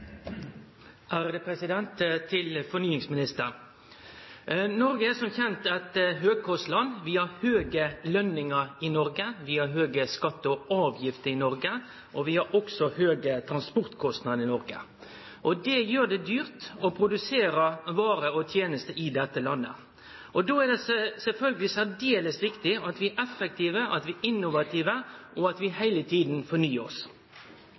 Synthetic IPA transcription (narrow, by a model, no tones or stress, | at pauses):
ʔæɾd̪ɛpʰɾɛsɪd̪ɛnt̪t̪ʰɪlfɔnyːɪŋsmɪnɪst̪əɾ | nɔɾɡəɛsɔmçɛnt̪ɑt̪ɦøːɡ̚kʰɔslɑnʋɪɑɾhøːɡəlœnːɪŋəɾɪnɔɾɡəʋiːɑɦøːɡəskɑt̪ːəɔɑːʋjɪft̪əɾɪnɔɾɡə | ʔɔʋɪhɑɾʔɔksɔhøːɡət̪ʰɾɑnspɔɾt̪kʰɔst̪nɑd̪əɾɪnɔɾɡə̰ | ʔɔd̪ɛjøːɖ̪ɛd̪yːɾt̪ɔpʰɾʊd̪ʉseːɾəʋɑːɾəɔt̪ʰjeːnəst̪əʔɪd̪ɛt̪ːəlɑnːə̰ | ʔɔd̪oːæɖ̪ɛsɛlfœlɡəlɪsæd̪eːləsʋɪkt̪ɪɑt̪ʋɪæɾʔɛfːɛk̚t̪ʰiːʋəʔɑt̪ʋɪɪnːʊʋɑt̪ʰiːʋəɔɑt̪ʋɪhæɪlət̪ʰiːd̪n̩fɔɳyːəɔs